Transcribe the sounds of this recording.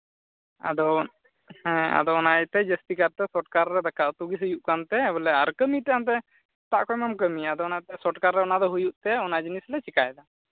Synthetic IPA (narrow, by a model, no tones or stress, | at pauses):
a̰d̪ɔ | hɛ̃a̰d̪ɔnajt̪ɛd͡ʒəst̪ikaɾt̪ɛsɔʈkaɾːɛd̪akaʔt̪uɡisəjuʔkant̪ɛːbɔlɛaɾkəmit̪ɛant̪̬ɛ | t̪aʔkɔjmamkəmiad̪ɔnajt̪ɛsɔʈkaɾːɛɔnad̪ɔɦujuʔt̪ɛɔnad͡ʒinislɛt͡ʃikajd̪a